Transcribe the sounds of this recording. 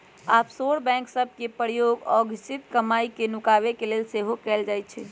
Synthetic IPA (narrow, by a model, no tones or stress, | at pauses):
apsoɽbɛ̃ŋksəb̚ʱkepəɾjoɡɔɡʱisit̪kəmaikenukaβekelelseɦokɛld͡ʒajt̪̚t͡ʃʰɛ